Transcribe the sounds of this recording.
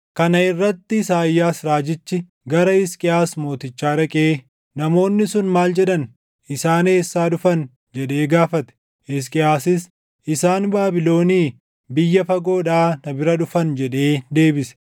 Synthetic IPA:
kɐnɐɪrːɐt̪ːɪsaːjːaːsɾaːd͡ʒɪt͡ʃːɪ | ɡɐɾɐɪskʼɪaːsmo̞ːt̪ɪt͡ʃːaːɾɐkʼeː | nɐmo̞ːnːɪsʊnmaːld͡ʒɛᶑɐn | ɪsaːneːsːaːᶑʊfɐn | d͡ʒɛᶑe̞ːɡaːfɐt̪ɛ̥ | ɪs̬kʼɪaːsɪs | ʔɪsaːnbaːbɪlo̞ːniː | bɪjːɐfɐɡo̞ːᶑaːnɐbɪɾɐᶑʊfɐnd͡ʒɛᶑe̞ːd̪e̞ːbɪsɛ̥

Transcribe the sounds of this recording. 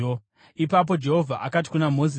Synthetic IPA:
ipap̬o̞d͡ʒe̞ɦo̞vʱaʔakat̬i̥kunamo̞zi

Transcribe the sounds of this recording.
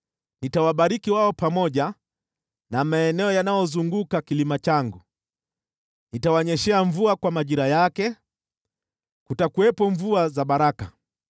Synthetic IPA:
nitawaɓaɾikiwaɔpamɔʄa | namaɛnɛɔjanajɔzuŋɡukakilimat͡ʃaŋɡu | nitawaɲɛʃɛaɱvuakwamaʄiɾajakɛ | kutakuwɛpɔɱvuazaɓaɾaka

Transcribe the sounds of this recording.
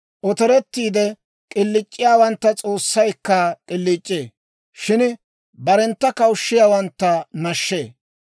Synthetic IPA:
ʔɔt̪ɔɾɛt̪ːiːd̪ɛ | kʼɪlːɪt͡ʃʼːɪjaːwɐnt̪ːɐt͡sʼo̞ːsːɐjkːɐkʼɪlːɪt͡ʃʼːeː | ʃɪn | bɐɾɛnt̪ːɐkɐwʊʃːɪjaːwɐnt̪ːɐnɐʃːeː

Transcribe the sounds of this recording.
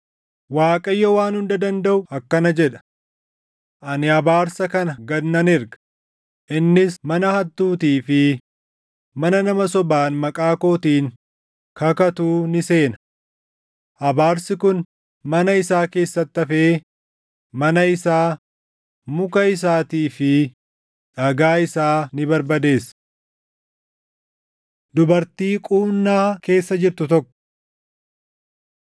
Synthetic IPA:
waːkʼɐjːɔwaːnhʊnd̪ɐd̪ɐnd̪ɐʔʊɐkːɐnɐd͡ʒɛᶑɐ̥ | ʔɐnɪɐbaːɾsɐkɐnɐɡɐd̪nːɐnɪɾɡɐ̥ | ʔɪnːɪsmɐnɐhɐt̪ːuːt̪iːfɪ | mɐnɐnɐmɐsɔbaːnmɐkʼaːko̞ːt̪iːŋ | kɐkɐt̪uːnɪse̞ːnɐ̥ | ʔɐbaːɾsɪkʊn | mɐnɐɪsaːke̞ːsːɐt̪ːɐfeː | mɐnɐɪsaː | mʊkɐɪs̬aːt̪iːfɪ | ᶑɐɡaːɪsaːnɪbɐɾbɐd̪e̞ːs | d̪ʊbɐɾt̪iːkʼuːnːaːke̞ːsːɐd͡ʒɪɾt̪ʊt̪ɔkːɔ̥

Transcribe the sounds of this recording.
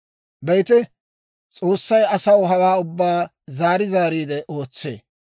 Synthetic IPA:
bɛjt̪ɛ | t͡sʼo̞ːsːɐjɐsɐwɦɐwaːʊbːaː | zaːɾɪzaːɾiːd̪ɛʔo̞ːt͡sːḛː

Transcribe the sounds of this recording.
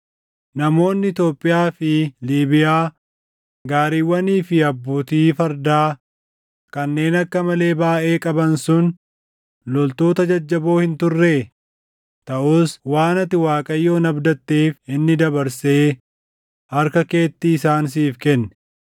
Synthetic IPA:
nɐmo̞ːnːɪɪt̪jo̞ːpʼːɪjaːfɪliːbɪjaː | ɡaːɾiːwːɐniːfɪɐbːuːt̪iːfɐɾd̪aː | kɐnːe̞ːnɐkːɐmɐle̞ːbaːʔe̞ːkʼɐbɐnsʊn | lɔlt̪o̞ːt̪ɐd͡ʒɐd͡ʒːɐbo̞ːhɪnt̪ʊrːe | t̪ɐʔuːswaːnɐt̪ːɪwaːkʼɐjːo̞ːnɐbd̪ɐt̪ːeːfɪnːɪd̪ɐbɐɾse̞ː | hɐɾkɐke̞ːt̪ːɪːsaːns̬iːfkɛnːɛ̥

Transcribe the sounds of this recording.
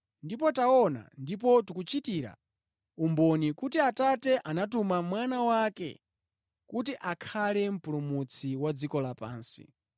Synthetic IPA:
ndipɔtaɔna̰ndip̬ɔtukut͡ʃitiɾa̰ | umbɔnikutiatatɛʔanatumamwanawakɛ̰ | kut̬iʔakʰalɛm̩pulumut͡sʰiwad͡zikɔlapa̰ːnsḭ

